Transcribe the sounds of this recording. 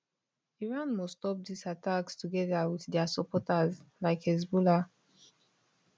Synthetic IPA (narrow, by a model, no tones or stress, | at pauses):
iɹãnmɔstɔp̚disatakstuɡɛdawiθdɛasɔpɔtazlaɪkɛzbula